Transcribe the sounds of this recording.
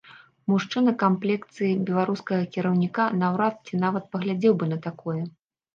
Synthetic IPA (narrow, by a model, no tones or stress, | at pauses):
muʂt͡ʂɨnɐkamplʲɛkt̪sɨjibʲɛlˠaɾuskɐɣɐkʲiɾɐwnʲikanawɾat̪̚t͡sʲinavɐt̪̚pɐɣlʲad͡zʲɛwbɨnɐt̪akɔjɛ